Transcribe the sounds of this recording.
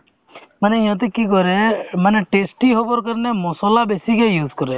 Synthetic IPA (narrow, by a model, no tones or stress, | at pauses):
məneĩɦɔ̃t̪̬ekikɔɾeməneʈesʈiɦopɔɾkəɾnemɔsɔlabesikejuːzkɔɾe